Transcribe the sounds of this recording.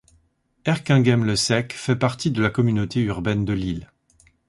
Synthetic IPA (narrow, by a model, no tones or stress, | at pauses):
ɛʁkɛ̃ɡɛmləsɛkfɛpaʁt̪id̪əlakɔmynot̪eyʁbɛnd̪əlil